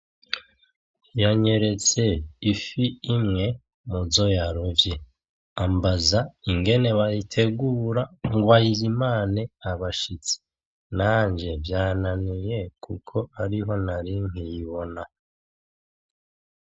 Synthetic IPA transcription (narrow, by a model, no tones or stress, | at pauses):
jaɲe̞ɾe̞t͡se̞ifiimŋe̞ | muzo̞jaɾovje | ambazaiŋɡe̞ne̞βajitʰe̞ɡuːɾaŋɡwajizimaːneaβaʃit͡si̥ | naːɲd͡ʒe̞vjaːnanije̞kʰukʰo̞aɾiɦo̞naɾiŋɦijiβo̞na